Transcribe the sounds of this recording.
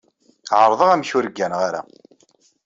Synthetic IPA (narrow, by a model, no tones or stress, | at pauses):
ʕəɾˤðˤəʁæmçʊɾəɡːænʁaɾæ̰